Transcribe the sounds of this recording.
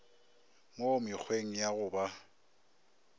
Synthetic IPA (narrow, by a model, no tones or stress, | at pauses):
momɪk͡xʰweŋ̩jaɣʊba